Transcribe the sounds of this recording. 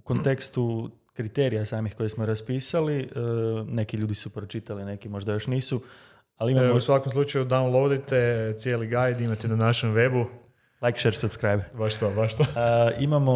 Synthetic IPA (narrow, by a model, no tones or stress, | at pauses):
ko̞nt̪e̞kst̪u | kɾit̪eɾijasaːmixko̞jesmoɾaspiːsali | ne̞kiʎuːd̪isupɾo̞t͡ʃit̪aline̞kimo̞ʒd̪ajo̞ʃniːsu | aliimamousʋakomslˠut͡ʃajud̪awnlˠod̪it̪et̪sjeːliɡajd̪imat̪inanaʃemʋe̞bu | lajkʃeɾsubskɾajbbaʃt̪obaʃt̪oimamo